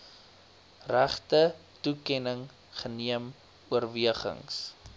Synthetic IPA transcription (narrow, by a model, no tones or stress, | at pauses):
ræχtətukɛnəŋ | χəniəm | uərviəχə̰ŋs